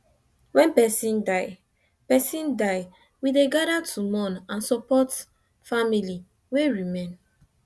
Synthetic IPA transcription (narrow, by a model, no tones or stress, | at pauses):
wɛ̃npɛsĩndaɪ | pɛsĩndaɪ | wideɡaɾatʰumɔ̃nãnsɔpɔt | famili | weɹimẽn